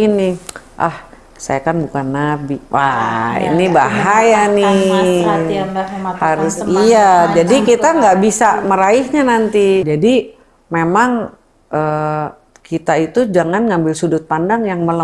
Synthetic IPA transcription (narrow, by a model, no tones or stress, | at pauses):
inɪ | ʔa̰h | sa̰jakanbukanːabiwa̰ḭnibaɦajani | haɾʊsijad͡ʒadikit̪aŋɡaʔbisaməɾaɪhɲanant̪id͡ʒadi | memaŋ | ʔə | kit̪ait̪ud͡ʒaŋanŋambɪlsudʊt̪̚pandaŋjaŋməla